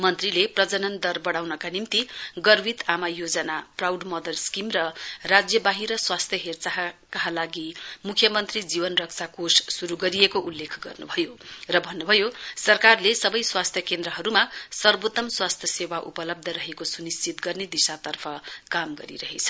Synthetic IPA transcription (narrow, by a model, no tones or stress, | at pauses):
mʌnt̪rileprʌd͡zʌnʌnd̪ʌrbʌɽawnʌkanimt̪iɡʌrbit̪amajod͡zʌnaprawɖmʌd̪ʌlskimrʌrad͡zjʌbaɦiɾʌswast̪ʰjʌɦert͡saɦkalaɡimukʰjʌmʌnt̪rid͡zibʌnrʌkt͡sʰakossuɾuɡʌɾijekoʔulːekʰɡʌ̰rnṵbʱʌjorʌbʱʌnːubʱʌjosʌrkarlesʌbʌjswast̪ʰjʌkend̪ɾʌɦʌɾumasʌrbot̪ʌmswast̪ʰjʌsewaʔṵpʌlʌb̚d̪ʱʌɾʌɦekosunist͡sit̪ɡʌrned̪isat̪ʌrpʰʌkamɡʌ̰ɾḭɾʌɦet͡sʰʌ̥